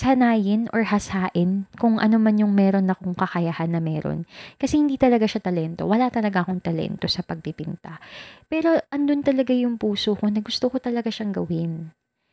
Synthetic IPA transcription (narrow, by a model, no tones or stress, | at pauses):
shɐnaːjɪnʔo̰ɹhɐsaːʔɪnkʊŋʔɐ̰nomanjʊŋmɛːɾo̞nɐkoŋkɐkɐjahanːɐmɛːɾo̰nkɐsɛhɪnd̪iːt̪ɐlɐɡaʃat̪ɐlɛnt̪o̞̰wɐlat̪ɐlɐɡaʔɐko̞ŋt̪ɐlɛ̰nt̪o̞sɐpɐɡ̚pɪpɪnt̪apɛːɾo̞ʔɐnd̪ont̪ɐlɐɡajʊŋpuːsoko̞nɐɡʊst̪okot̪ɐlɐɡaʃɐŋɡɐwɪn